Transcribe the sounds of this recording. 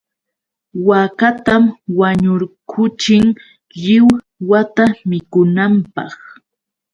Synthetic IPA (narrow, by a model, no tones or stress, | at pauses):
wakat̪amwaɲʊɾkʰʊt͡ʃɪŋ | ʎɪw | wat̪amɪkʊnampɑχ